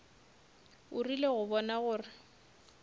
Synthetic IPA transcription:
ʊrileɣʊβɔnaɣʊːrɪ

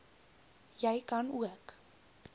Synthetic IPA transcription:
jɛjkɐnuək

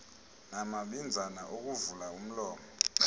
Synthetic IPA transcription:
namaɓind͡zʱanaʔok̬uvulaum̩lɔːmɔ

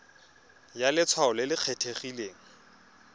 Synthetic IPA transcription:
jalɪt͡sʰwaʊlɪlɪq͡χʰetʰeχileːŋ̩

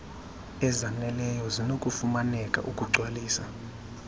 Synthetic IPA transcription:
ɛzanɛlɛjɔzinokʼufumanɛkʼa̰ʔukʼuǀwaliːsa

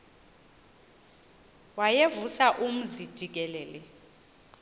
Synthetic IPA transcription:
wajevusaʔum̩zid̥ʒ̥ʱik̬ʼɛlɛːlɛ

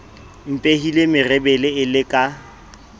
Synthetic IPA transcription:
m̩pʼehilemɪrɛbɛlɪɪlɪkʼa

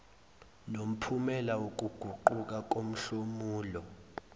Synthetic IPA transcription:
nom̩pʰumɛlawok̬ʼuɡ̥ʱuǃuk̬ʼak̬ʼom̩ɬomuːlɔ

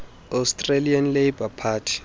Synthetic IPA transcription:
astʼrelianlejbapʰaːtʰi̥

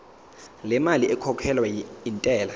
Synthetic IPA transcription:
lɛmaliʔɛkʰɔkʰɛlwaintʼɛːla

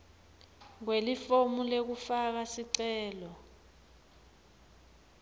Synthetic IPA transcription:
ŋwelifomulek̬ufak̬asiǀɛːlɔ

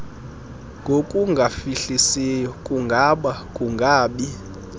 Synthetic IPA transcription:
ŋɡʱokʼuŋɡʱafiɬisijɔkʼuŋɡʱaɓakʼuŋɡʱaːɓi

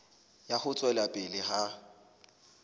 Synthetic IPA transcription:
jaχʊt͡sʼwɛlapʼɪlɪha

